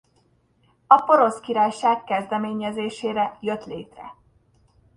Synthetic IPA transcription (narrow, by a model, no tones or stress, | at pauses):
ɒpo̞ɾo̞skiɾaːjʃaːkːɛzd̪ɛmeːɲɛzeːʃeːɾɛjø̞t̪lḛːt̪rɛ̰